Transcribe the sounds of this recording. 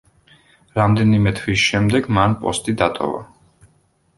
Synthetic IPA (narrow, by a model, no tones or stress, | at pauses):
ɾamd̪ɛnimɛt̪ʰwisʃɛmd̪ɛɡmanpʼɔst̪ʼid̪at̪ʼɔ̰va̰